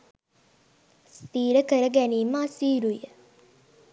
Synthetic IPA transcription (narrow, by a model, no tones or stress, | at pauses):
st̪iːɾəkəɾəɡæniːməasiːɾujə